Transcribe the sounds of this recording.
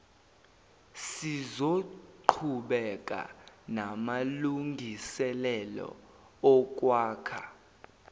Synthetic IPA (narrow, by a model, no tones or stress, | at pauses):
sizoǃʰuɓɛk̬ʼa̰namaluŋɡʱisɛlɛlɔ̰ | ɔk̬ʼwaːkʰa